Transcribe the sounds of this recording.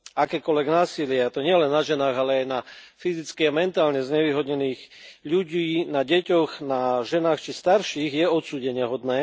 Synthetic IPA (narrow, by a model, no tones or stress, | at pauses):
akɛːkɔlʋɛɡnaːsilɪat̪ɔɲɪɛlɛnːaʒɛnaːɣalɛajnafizit͡skiamɛnt̪aːlɲɛzɲɛʋiːɦɔd̪ɲɛniːɣʎuɟiːnaɟɛcɔɣnaʒɛnaːxt͡ʃist̪aɾʃiːɣjɛɔt̪suːɟɛɲɪɛɦɔd̪nɛː